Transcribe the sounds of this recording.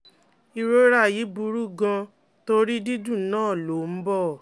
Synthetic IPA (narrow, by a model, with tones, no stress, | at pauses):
i˧ɾo˦ɾa˦˨ji˨˦bu˧˦ɾu˦ɡã˧ | to˦ɾi˦di˦dũ˦˨˦nãː˦˨lo˨˦m̩˦bɔ˦˨